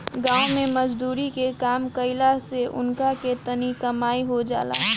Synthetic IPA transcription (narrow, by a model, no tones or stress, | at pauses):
ɡãːʊ̃mẽmɐd͡ʒd̪uːɾikekaːmkɐɪlaseʔʊ̰nkaket̪ənikɐmaːiɦod͡ʒa̰ːla̰ː